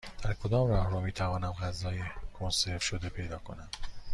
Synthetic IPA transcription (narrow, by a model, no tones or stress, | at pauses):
d̪̥æɾkʰod̪ɒːmrɒːhɾuːmiːt̪ʰævɒːnæmɣæzɒːjekʰonseɾfʃod̪e̞pʰe̞jd̪ɒːkʰo̞næm